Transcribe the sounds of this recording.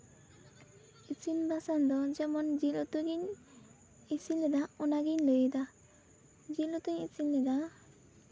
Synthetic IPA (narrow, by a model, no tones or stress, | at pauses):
it͡ʃinbasand̪ɔd͡ʒɛmɔnd͡ʒilɔt̪uɡiɲ | isinɛd̪aɔnaɡiɲləjd̪a | d͡ʒilɔt̪uɲit͡ʃinlɛd̪a